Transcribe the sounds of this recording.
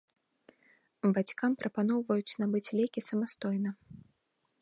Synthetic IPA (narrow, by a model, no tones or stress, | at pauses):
bat͡sʲkampɾʔɐpan̪ɔwvɐjut͡sʲnabɨt͡sʲlʲɛkʲisɐmast̪ɔjnɐ